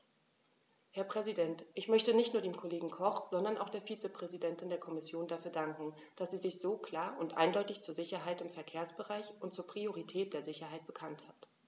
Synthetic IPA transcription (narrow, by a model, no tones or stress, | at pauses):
hɛɐpʁ̥ɛzidɛntʔɪçmœçtənɪçtnuːɐɾeːmkʰoleːɡŋ̩kʰɔχz̥ɔndɐnʔaʊxχd̥eːɐfiːt͡səpʁ̥ɛzidɛntɪndeːɐkʰɔmɪsjoːndafyːɐdaŋkŋ̩ | d̥asz̥iːzɪçz̥oːkʰl̥aːɐʊntʔa̰ɪndɔʏtɪçt͡suːɐzɪçɐɦaɪtɪmfɛɐkʰeːɐsb̥əʁaɪçʊnt̚t͡suːɐpʁ̥ioʁitʰɛːt̚d̥eːɐzɪçɐɦaɪt̚b̥əkʰanthat